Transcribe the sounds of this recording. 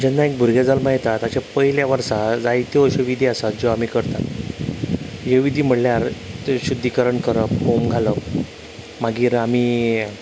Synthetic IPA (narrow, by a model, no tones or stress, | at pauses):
d͡ʑɛnːaek̚bʱuɾɡjad͡zalmaɦjt̪at̪at͡ɕapəɦjljaʋəɾsad͡zajt̪eoɕeʋid̪ʱiːasat̪̚d͡ʑoam̤iːkəɾt̪a̰ | jeʋid̪ʱiːm̤əɽljaɾt̪ɕud̪ʱːikəɾəɳkəɾəpbomɡʱaləp | maɡiːɾamiː